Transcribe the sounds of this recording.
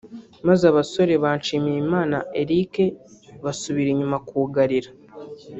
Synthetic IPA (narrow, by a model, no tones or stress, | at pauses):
mazaβaso̞ɾe̞βaːnt͡ʃimimaːnae̞ɾike̞βasuβiɾiɲumakuːɡaɾiɾa